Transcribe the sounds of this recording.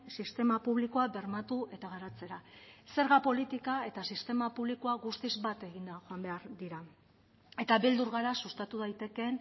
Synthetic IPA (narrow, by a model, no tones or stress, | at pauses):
sist̪e̞mapuβliko̞abe̞ɾmat̪ue̞t̪aɣ̞aɾat͡se̞ɾase̞ɾɣapo̞lit̪ikae̞t̪asist̪e̞mapuβ̞liko̞aɣust̪izbat̪e̞ɣind̪aʝo̞ambe̞aɾd̪iɾa | e̞t̪aβeld̪uɾɣaɾasust̪at̪uðajt̪e̞ke̞n